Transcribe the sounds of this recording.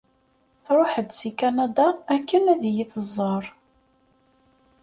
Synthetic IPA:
θɾˤoħəd̪sikanad̪aækːənæðjiθəzˤːɑɾˤ

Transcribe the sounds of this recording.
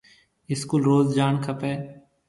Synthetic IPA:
ɪskulɾoːzd͡ʒaːnkʰəpeː

